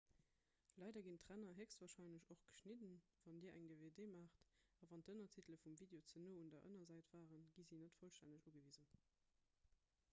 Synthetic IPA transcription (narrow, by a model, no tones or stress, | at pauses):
lɑɪdɐɡintʁænɐɦɛksvaːɐʃɑɪnləɕoχɡ̥ə̥ʃnidənvɑndiːɐʔæ̰ŋdeːveːdeːmaːχtɑvɑntənɐtʰitləfumviːdeot͡sənoːundɐʔə̰nɐzæɪtv̥aːʁənɡizinətfolʃtænəʃuɡəviːzən